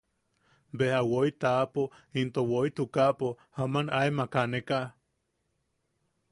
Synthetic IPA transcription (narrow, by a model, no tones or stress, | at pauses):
behawoit̪apoint̪owoit̪ukapohamanaemakaneka